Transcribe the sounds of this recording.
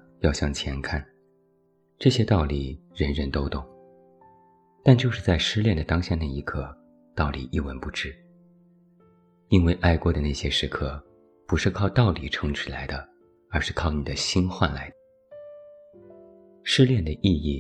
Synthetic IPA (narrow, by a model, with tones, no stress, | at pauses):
jɑ˥˧ʊɕjɑ˥˩ŋt͡ɕʰjɛ˧˥nkʰa˥˩n | ʈ͡ʂɤ˥˩ɕjɛ˥t̪ɑ˥˩ʊli˨˩ɻə˧˥nɻə˧˥nt̪o˥ʊt̪ʊ˥˩ŋ | t̪a˥˧nt͡ɕjo˥˧ʊʂɻ̩˥˧t͡sa˥˩ɪʂɻ̩˥˧ljɛ˥˩nd̪ə˩t̪ɑ˥ŋɕjɑ˥˧na˥˩i˧˥kʰɤ˥˩ | t̪ɑ˥˩ʊlḭ˨˩ʔi˥˩wə˧˥npu˥˩ʈ͡ʂɻ̩˥ | i˥nwe˥˧ɪʔa˥˩ɪkwɔ˧˥d̪ə˧˨na˥˩ɕjɛ˥ʂɻ̩˧˥kʰɤ˥˩ | pu˧˥ʂɻ̩˥˧kʰɑ˥˧ʊt̪ɑ˥˩ʊli˨˩ʈ͡ʂʰɤ˧˥ŋʈ͡ʂʰy˧˩la˧˥ɪd̪ə˧ | ə˞˧˥ʂɻ̩˥˧kʰɑ˥˩ʊni˨˩d̪ə˦ɕi˥nxwa̰˥˩nla˧˥ɪd̪ə | ʂɻ̩˥˧ljɛ˥˩nd̪ə˩ʔi˥˧i˥˩